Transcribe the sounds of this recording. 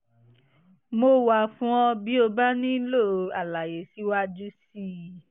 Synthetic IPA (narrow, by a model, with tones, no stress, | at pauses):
mo˧˦wa˧˨fũ˦ɔ̃˧bi˨˦o˧ba˦nĩ˦lo˦˨a˨la˨je˨˦si˨˦wa˦d͡ʒu˦si˦